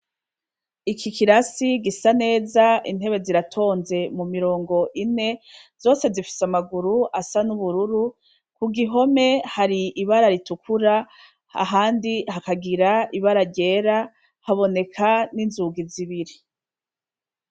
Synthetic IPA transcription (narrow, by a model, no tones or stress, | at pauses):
ikikʰiɾasiɡisane̞ːzaḭn̥he̞βe̞ziɾatʰo̞ːnze̞mumiɾo̞ːŋɡo̞ʔine̞z̥o̞ːse̞zifi̥samaɡuɾuʔasanuβuɾuɾu | kuɡiɦo̞me̞haɾiʔiβaɾaɾitukʰuɾa | a̰ɦaːndiɦakaɡiɾaʔiβaɾaɾɟe̞ːɾa | haβo̞ne̞kʰaninzuɡiziβiɾi